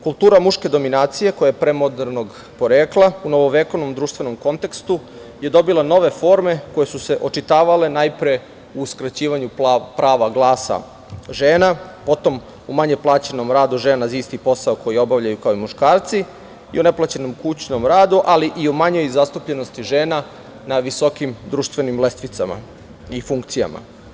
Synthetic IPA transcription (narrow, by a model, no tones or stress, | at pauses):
kulˠt̪uːɾamuʃke̞d̪o̞minaːt̪sije̞ko̞jajepɾemod̪eɾnoɡ | po̞ɾeːklˠauno̞ʋoʋekoʋno̞md̪ɾuːʃt̪ʋe̞no̞mko̞nt̪ekst̪u | je̞d̪o̞bilˠano̞ʋe̞fo̞ːɾme̞ko̞je̞suseʔo̞t͡ʃit̪aːʋale̞najpɾe | uːskɾat͡ɕiːʋaɲupɾaːʋaɡlˠaːsa̰ | ʒeːnapo̞t̪o̞m | umaɲeplˠaːt͡ɕeno̞mɾaːd̪uʒeːnaziːst̪ipo̞saoko̞jio̞baʋʎajukaoimuʃkaːɾt̪si | ḭone̞plˠat͡ɕeno̞mkut͡ɕno̞mɾaːd̪uʔaliʔiomaɲo̞jzast̪upʎe̞no̞st̪iʒe̞ːna | naʋiso̞kimd̪ɾuːʃt̪ʋe̞nimle̞st̪ʋit̪sa̰ma̰ | ifuŋkt̪sija̰ma̰